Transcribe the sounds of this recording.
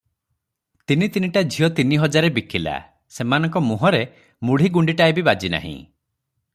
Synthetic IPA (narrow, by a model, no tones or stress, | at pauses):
t̪init̪iniʈad͡ʒʱijɔt̪iniɦɔd͡ʒaɾebikila̰ | semanɔŋkɔmuɦɔɾe | muɽ̤iɡuɳɖiʈaebibad͡ʒina̰ɦḭ̃